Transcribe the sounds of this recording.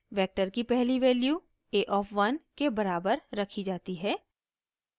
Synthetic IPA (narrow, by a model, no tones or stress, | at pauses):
ʋɛːk̚ʈəɾkipɛɦliʋeːlju | eːʔɔːfʰʋɐnkebɐɾaːbəɾːɐkʰid͡ʒaːt̪iɦɛː